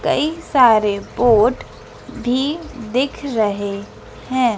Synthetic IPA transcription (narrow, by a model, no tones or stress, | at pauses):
kɐ̰isaːɾepoːʈ | bʱid̪ɪkʰɾɐɦe | hɛ̃ː